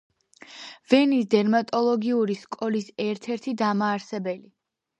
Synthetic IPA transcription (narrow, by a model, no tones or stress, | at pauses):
vɛnisd̪ɛɾmat̪ʼɔlˠɔɡiuɾiskʼɔlisɛɾt̪ʰɛɾt̪ʰid̪amaːɾsɛbɛli